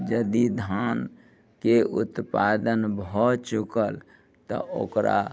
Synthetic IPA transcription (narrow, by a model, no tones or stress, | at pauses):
d͡ʒəd̪id̪ʱan | keut̪pad̪ənbɔt͡ʃukəl | t̪ɔ̰ʔo̰kɾa̰